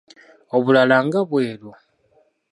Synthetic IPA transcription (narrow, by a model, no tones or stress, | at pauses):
o̞βulalaŋɡaβwe̞ːlo